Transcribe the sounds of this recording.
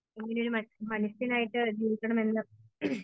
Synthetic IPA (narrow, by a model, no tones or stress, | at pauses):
eŋːineo̞ɾumɐmɐnusinaːjiʈːɨd͡ʑiːɾikʲːɐɳɐme̞nːɨ